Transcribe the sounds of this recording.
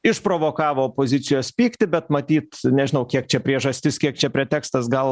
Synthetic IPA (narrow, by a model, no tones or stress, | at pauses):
ɪʃpɾoːʋoːkɑːʋoːoːpoːzʲɪsʲɪjoːspʲiːkt̪ʲɪbʲɛt̪mɐt̪ʲiːt̪nʲɛʒʲɪnɐʊkʲiɛk̚t͡ʃʲɛpʲɾʲiɛʒɐsʲt̪ʲɪskʲiɛk̚t͡ʃʲɛpʲɾʲɛt̪ʲæːkst̪ɐsɡɐlˠ